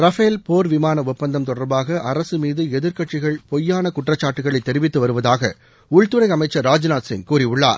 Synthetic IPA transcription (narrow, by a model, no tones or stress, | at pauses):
ɾɐfeːlpoːɾʋɪmaːnɐʊtpːɐnd̪ɐmt̪ɔɽɐɾbaːɣɐʔɐɾɐsɯmiːðɯɛðɪɾkɐʈt͡ʃɪɣɐɭpɔjːaːnɐkʊʈrɐt͡ʃːaːʈːɯɣɐɭɐɪt̪ːɛɾɪʋɪt̪ːɯʋɐɾɯʋɐðaːɣɐ̰ | ʊɻt̪ɯɾɐɪɐmɐɪt͡ʃːɐɾːaːd͡ʒnaːsɪ̰ŋkuːɾɪʊɭːa̰ːɾ